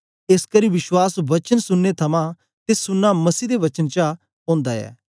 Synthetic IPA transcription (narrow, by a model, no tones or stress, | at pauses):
eskəɾiʋɪʃwaːsʋɐt͡ʃənsʊnːet̪ʰɐmã | t̪esʊnːamɐsiːd̪eʋɐt͡ʃənt͡ʃa | ɔ̃ːnd̪aɛ̰ː